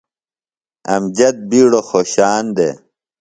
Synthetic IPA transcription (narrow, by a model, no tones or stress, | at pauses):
ɐ̰md͡ʑɐt̪̚biːɽoxoːɕaːnd̪ḛ